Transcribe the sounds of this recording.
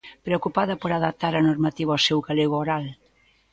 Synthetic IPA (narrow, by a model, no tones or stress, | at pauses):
pɾeokupaðɐpoɾaðap̚t̪aɾɐnoɾmat̪iβɐowsewɣaleɣooɾal